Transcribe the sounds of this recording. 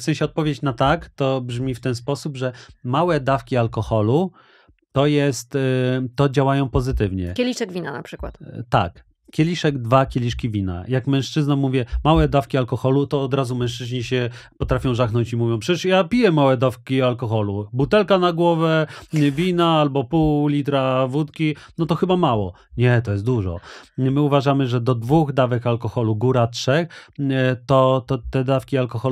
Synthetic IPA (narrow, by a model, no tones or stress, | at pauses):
fsɛ̃ɲ̃ɕɛɔt̪̚pɔvʲjet͡ɕnat̪akt̪ɔbʐmʲift̪ɛnspɔsubʐɛmawɛd̪afkʲialkɔxɔlu | t̪ɔjɛst̪t̪ːɔd͡ʑawajɔ̃w̃pɔzɘt̪ɘvɲɛ̰kʲelʲiʂɛɡvʲina̰na̰pʂɘkwa̰t̪t̪a̰k | kʲelʲiʂɛɡd̪vakʲelʲiʂkʲivʲina̰jakmɛ̃ʂt͡ʂɘznamuvʲjɛmawɛd̪afkʲialkɔxɔlut̪ɔːd̪ɾazumɛ̃ʂt͡ʂɘʑɲiɕɛpɔt̪ɾafʲjɔ̃w̃ʐaxnɔɲt͡ɕimuvʲjɔ̃w̃pʂɛt͡ɕɛʂjapʲijɛmawɛd̪afkʲialkɔxɔlubut̪ɛlkanaɡwɔvɛvʲinaalbɔpuwlʲit̪ɾavut̪kʲinɔt̪ɔxɘbamawɔ̰ | ɲɛt̪ɔjɛst̪d̪uʐɔ̰mɘuvaʐamɘʐɛd̪ɔd̪vuɣd̪avɛkalkɔxɔluɡuɾatʂɛx | t̪ɔt̪ɔt̪ɛd̪afkʲialkɔxɔ